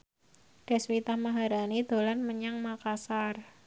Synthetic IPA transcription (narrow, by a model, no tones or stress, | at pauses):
ɖ̥ɛ̤swit̪ahmaɦaɾanid̪̥o̤lanməɲaŋmakasar